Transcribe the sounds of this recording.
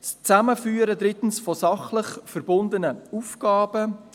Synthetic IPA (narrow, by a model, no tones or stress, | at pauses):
st͡sæməfyːəɾəd̪ɾɪtn̩sfɔsɑχləχfɛrbʊnd̪ənəufɡ̥ɑːbə